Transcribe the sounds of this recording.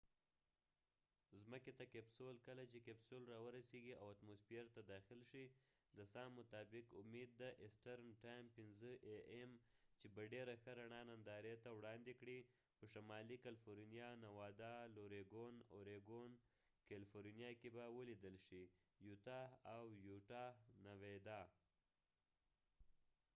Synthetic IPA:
zməket̪akepsolkəlat͡ʃekepsolɾɑwəɾaseɡiawat̪mosfeɾt̪ad̪ɑxɪlʃi | d̪əsɑnmʊt̪ɑbɪkʊmed̪̚ːaʔɪsʈaɾnʈajmpɪnzəʔeʔemt͡ʃebaɖeɾaxəɾaɳɑnand̪ɑɾet̪awɽɑnd̪ekɽi | pəʃamɑlikalfoɾnijɑnawɑd̪ɑloɾeɡonoɾeɡon | kalifoɾnijɑkebawəlid̪əlʃijut̪ɑawjuʈɑnawed̪ɑ

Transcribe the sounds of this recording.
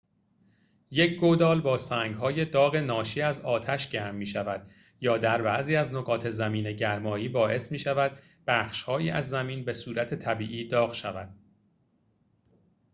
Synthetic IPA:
je̞cʰɡod̪ɒːlbɒːsæːŋɡɦɒːje̞d̪ɒːɣe̞nɒːʃiːæzɒːt̪ʰæʃɟæːɾmːiːʃævæd̪̥ | jɒːd̪æɾbæʔziːæznoɣɒːt̪ʰe̞zæmiːneɟæɾmɒːjiːbɒːʔe̞smiːʃævæd̪̥̚ | b̥æːχʃhɒːjiːʔæzːæmiːnbe̞suːɾæt̪ʰe̞t̪ʰæbiːʔiːd̪ɒːɣʃævæd̪̥̚

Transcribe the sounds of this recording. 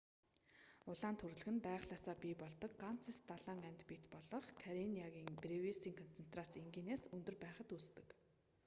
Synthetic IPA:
ʊɮaːnt̪ʰɵrɮɘ̆ɣɘ̆npæːχɮaːsaːpʲiːpɔɮt̪ɞ̆kɢan̥t͡sʰĭst̪aɮaːŋæmʲt̪pit̪pɔɮɞ̆χkʰaɾiniaɣʲiːŋprewisiːŋkʰɔnt͡sʰen̥t̪rat͡siŋɡʲiːneːsɵnt̪ɵ̆rpæːχə̆t̪uːst̪ɘ̆k

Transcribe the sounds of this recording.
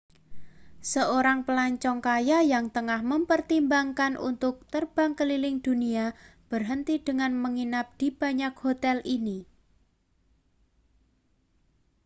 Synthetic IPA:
səoɾaŋpəlaɲt͡ʃɔŋkajajaŋt̪əŋahməmpərt̪imbaŋkanʔṵnt̪ʊk̚t̪ərb̥aŋkəlilɪŋd̪̥uniab̥ərɦənt̪id̥əŋanməŋinap̚d̪̥i̤b̥a̤ɲak̚hot̪ɛlini

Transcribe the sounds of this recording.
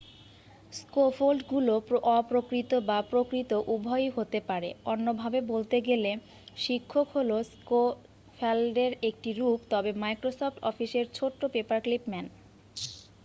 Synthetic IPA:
skofolɖɡuloɔpɾokɾit̪obapɾokɾit̪oʔubʱɔjɦot̪epaɾḛonːobʱabebolt̪eɡele | ʃikʰːokɦolosko | fʰelɖeɾek̚ʈiɾupt̪ɔbemajkɾosofʈɔfiʃeɾt͡ɕʰoʈːopepaɾklipmɛn

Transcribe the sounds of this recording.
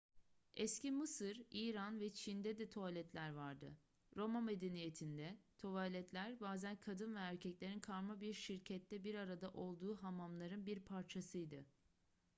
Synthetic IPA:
ɛscimɯsɯɾiːɾanvɛt͡ʃʰind̪ɛd̪ɛt̪ʰo̞alʲɛt̪lʲæɾvaɾd̪ɯ̰ | ɾo̞mame̞d̪enijet̪ʰind̪ɛt̪ʰo̞valʲɛt̪ʰlʲæɾbaːzænkʰad̪ɯnvɛæɾcʰɛclʲe̞ɾinkʰaɾmabiɾʃiɾcʰɛt̪ʰːɛbiɾaɾad̪aʔo̞lˠd̪uːɦamamlˠaɾɯnbiɾpʰaɾt͡ʃʰasɯjd̪ɯ

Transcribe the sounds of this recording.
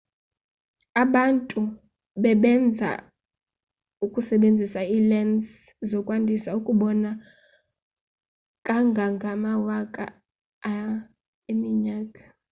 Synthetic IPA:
aɓantʼu | ɓɛɓɛnd͡zʱa̰ | ukʼusɛɓend͡zʱisailɛndszɔkʼwandʱisaukʼuɓɔna | kʼaŋɡʱaŋɡʱamawakʼa̰ː | imiɲaːkʼḁ

